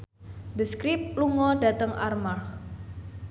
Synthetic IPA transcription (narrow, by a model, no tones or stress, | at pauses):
d̪əskɾip̚luŋɔɖa̤t̪əŋʔa̰rmarx